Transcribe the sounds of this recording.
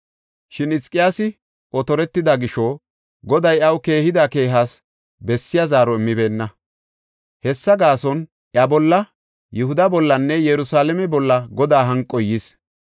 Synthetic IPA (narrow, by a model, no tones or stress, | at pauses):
ʃɪnɪskʼɪjaːsɪ | ʔɔt̪ɔɾɛt̪ːɪd̪ɐɡɪʃɔ | ɡɔd̪ɐjɐwke̞ːhɪd̪ake̞ːɦas | bɛsːɪjazaːɾɔɪmːɪbe̞ːnːɐ | hɛsːɐɡaːsɔn | ʔjɐbɔlːɐ | jʊhʊd̪ɐbɔlːɐnːɛjɛɾʊsaːlɛmɛbɔlːɐɡɔd̪aːɦɐŋkʼːɔjːɪs